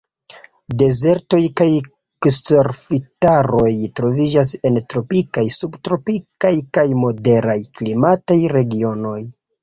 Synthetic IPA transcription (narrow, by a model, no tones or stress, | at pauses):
de̞ze̞ɾto̞jkaj | ksteɾfitaɾo̞jtɾo̞vid͡ʒas̬e̞ntɾo̞pikajsubtɾo̞pikajkajmo̞de̞ɾajklimatajɾe̞ɡio̞no̞j